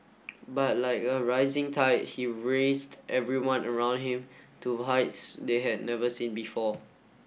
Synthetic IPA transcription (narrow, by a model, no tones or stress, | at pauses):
bat̚laɪkəɹaɪzɪ̃ŋtʰaɪt̚hiɹesdʔɛvɹiwãnəɹãʊ̃nd̚hĩmtʰuɦaɪtsdeɦɛd̚ⁿnɛvəsĩnbifɔ